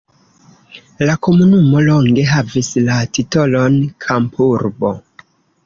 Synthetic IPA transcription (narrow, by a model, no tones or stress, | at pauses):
lako̞munumo̞lo̞ŋɡe̞ɦavislatito̞lo̞nkʰampʰuɾbo̞